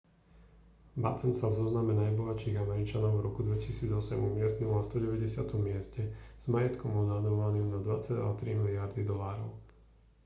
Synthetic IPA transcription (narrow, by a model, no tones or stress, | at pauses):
bat̪ʰɛmsavzɔznamɛnajbɔɦat͡ʃiːɣamɛɾit͡ʃanɔʊvɾɔkud̪ʋɛcisiːd͡zɔsɛmumɪɛst̪nulnast̪ɔɟɛʋɛɟɛsɪat̪ɔmːɪɛscɛz̥majɛt̪kɔmɔnad̪ɔʋaniːmnad̪ʋat͡sɛɟa̰t̪ɾimilɪaɾd̪id̪ɔlaːɾɔʊ